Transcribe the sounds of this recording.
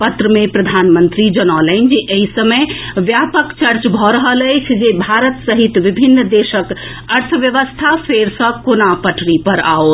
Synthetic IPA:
pət̪ɾəmepɾəd̪ʱanmənt̪ɾid͡ʒənɔləɪnd͡ʒeʔeɦisəməjʋjapəkt͡ʃəɾt͡ʃbʱɔɾəɦələjt͡ʃʰd͡ʒebʱaɾət̪səɦit̪ʋibʱinːd̪esək | əɾt̪ʰəʋjəʋəst̪ʰafʰeɾsə̃konapəʈʰɾipəɾa̰o

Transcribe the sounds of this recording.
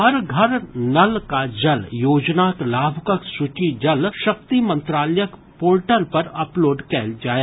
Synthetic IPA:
ɦɐɾɡʱɐɾnɐlkad͡ʒɐljoːd͡ʒnaklaːbʱʊkəksʊt͡ʃid͡ʒɐlʃɐp̚t̪imɐ̃nt̪ɾaːləjək | poːlʈəlpɐɾɐploːɖkɛld͡ʒaːe

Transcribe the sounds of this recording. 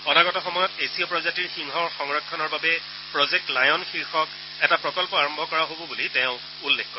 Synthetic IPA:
ɔnaɡɔtɔxɔmɔjɔtesiɔpɹɔzatiɹxiŋɦɔɹxɔŋɹɔkʰːɔnɔɹbabɛ | pɹɔzek̚tlajɔnxiɹxɔk | ɛtapɹɔkɔlpɔaɹɔmbʱɔkɔɹaɦobɔbulitẽʊ̃ | ulːekkːɔ

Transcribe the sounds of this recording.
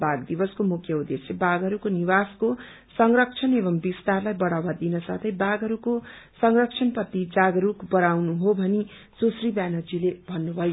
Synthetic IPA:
baɡd̪ibʌskomukʰjʌud̪eslebaɡɦʌɾukoniβasko | sʌŋrʌk̚t͡sʰʌnebʌmbist̪arlajbʌɽawad̪inʌsa̰t̪ʰʌjbaɡʱɦʌɾukosʌŋrʌk̚t͡sʰʌnpʌt̪ːid͡zaɡɾukbʌɾawnuɦobʱʌni | sosribanʌd͡zilebʱʌnːubʱʌjo

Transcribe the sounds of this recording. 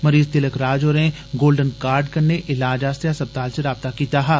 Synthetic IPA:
mɐɾiːzt̪ɪləkɾaːd͡ʒoːɾẽ | ɡoːlɖənkaːɾɖkɐɾneʔɪlaːd͡ʒaːst̪jasɐb̚t̪aːlseɾaːb̚t̪akiːt̪aɦaː

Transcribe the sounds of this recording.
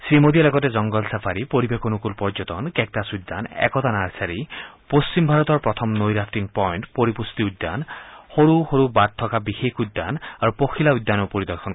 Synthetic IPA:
sɹimod̪ialɔɡɔt̬ɛzɔŋɡɔlsapʰaɹipoɹibekonukulpɔɹd͡ʒɔtɔnkɛk̚tasud̪ːa̰nɛ̰kɔt̪anaɹsaɹipost͡ɕimbʱaɹɔt̪ɔɹpɹɔt̪ʰɔmnojɾaftiŋpɔjntpoɹipust̪iud̪ːa̰nxoɹuxoɹubad̚t̪ʰːɔkabixekʰud̪ːa̰naɹupoxʰilaujd̪ːanɔpoɹid̪ɔɹkʰɔn

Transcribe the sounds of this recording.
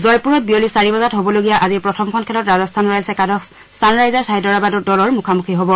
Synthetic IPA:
zɔjpuɹɔt̚bijolisaɹibazatɦobɔloɡijaʔaziɹpɹɔtʰɔmkʰɔnkʰɛlɔtɹazɔstʰanɹajlsɛkadɔks | sanɹajzaɹsaɦidɔɹabadɔdɔlɔɹmukʰamukʰiɦobɔ

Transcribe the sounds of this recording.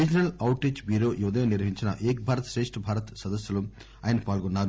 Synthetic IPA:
id͡ʒɐnɐlɐwʈːet͡ʃbiːɾoːʔiʋɐd̪ɐjɐniɾʋɐɦiɲt͡ʃinɐ̰ʔeːk̚bʱaːɾɐt̪ɐ̥sɾeːʂʈɐbʱaːɾɐt̪sɐd̪ɐsjɐlu | aːjɐnɐpaːlɡunːaːɾu

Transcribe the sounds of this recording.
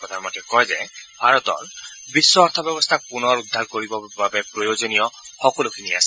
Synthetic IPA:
ɔd̪ʱaɹmɔtɛkɔjzɛbʱaɹɔt̪ɔ̰nbisːɔɔɾt̪ʰɔbɛbɔst̪ʰapunɔɹud̪ʱːaɹkoɹibɔbabɛpɹojozonijɔxɔkɔlʊkʰiniasɛ

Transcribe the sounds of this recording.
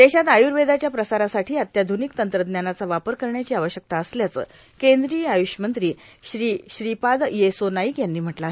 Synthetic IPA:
d̪eɕat̪ajuɾʋed̪at͡ɕjapɾəsaɾasaʈʰiːət̪jad̪ʱunikt̪ənt̪ɾəd̪njanat͡saʋapəɾkəɾɳjat͡ɕiːaʋəɕjək̚t̪aəsljat͡sə̰ː | kend̪ɾiːajuɕəmənt̪ɾiːɕɾiːɕɾipad̪jesonaiːkjanːiːm̤əʈla

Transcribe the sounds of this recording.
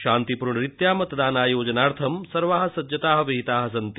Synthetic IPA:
ʃaːnt̪ipuɾɳɐɾit̪jaːmɐt̪d̪aːnaːjoːd͡ʒɐnaːɾt̪ʰɐmsɐɾʋaːɦɐ̆sɐd͡ʒjɐt̪aːɦɐʋiɦit̪aːɦɐs̬ɐnt̪i

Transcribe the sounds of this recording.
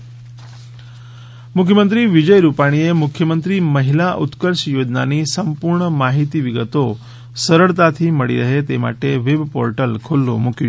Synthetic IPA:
mʊkʰjəmə̃nt̪ɾiʋɪd͡ʒəjɾupaɽ̃iemʊkʰjəmənt̪ɾiməɦɪlaʔʊt̪kəɾʃjoːd͡ʒnanisəmpuɾɳəmaɦit̪iʋɪɡət̪o | səɾəɭt̪at̪ʰiməɭḭɾəɦet̪ema̰ʈeʋɪbpo̰ɾʈəlkʰolːo̰mʊki

